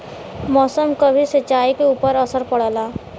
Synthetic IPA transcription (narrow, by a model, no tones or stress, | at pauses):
mɔːsəmkəbʱisət͡ʃaːikeuːpəɾəsəɾpəɽ̤ɛlaː